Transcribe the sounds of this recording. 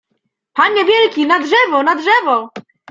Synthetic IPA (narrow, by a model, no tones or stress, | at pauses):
panːɛvʲjɛlkʲinadʐɛvɔnadʐɛvɔ